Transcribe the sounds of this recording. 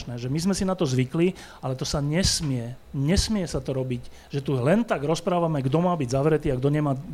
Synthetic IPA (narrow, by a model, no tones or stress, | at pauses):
nɛːʒɛmizmɛsinat̪ɔzʋikli | alɛt̪ɔsaɲɛsmɪɛ | ɲɛsmɪɛsat̪ɔɾɔbic | ʒ̥ɛt̪ulɛnt̪aɡɾɔspɾaːʋamɛɡd̪ɔmaːbiɟzaʋɾɛt̪iːaɡd̪ɔɲɛmaː